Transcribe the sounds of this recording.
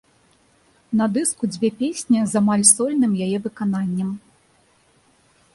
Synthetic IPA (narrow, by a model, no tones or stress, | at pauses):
nɐd̪ɨskud͡zʲvʲɛpʲesʲnʲɐzamalʲsɔlʲnɨmjajɛvɨkananʲːɐm